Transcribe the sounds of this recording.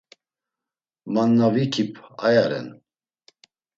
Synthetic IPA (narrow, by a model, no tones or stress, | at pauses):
manːavikʰipʰa̰jaɾɛ̰n